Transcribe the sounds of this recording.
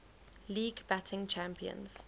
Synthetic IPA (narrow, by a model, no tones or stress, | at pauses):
liːɡbatʰɪ̃ŋt͡ʃʰãmpiə̰̃nz̥